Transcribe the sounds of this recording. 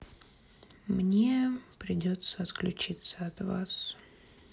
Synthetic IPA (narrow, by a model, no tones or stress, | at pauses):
mnʲepɾʲɪdʲo̞t̪səɐt̪klʲʉt͡ɕit̪səɐt̪va̰s